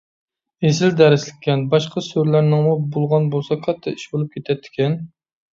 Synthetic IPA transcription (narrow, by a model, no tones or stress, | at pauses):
ezɪld̪ɛɾɪslɪkʲʰːɛnbɑʃqʰɑsøɾlæɾnɪŋmubolˠʁɑnbolˠsɑkʲʰɑt̪ʰːɑiʃbolˠup̚kʲet̪ʰɛt̪ʰːɪ̥kʲɛn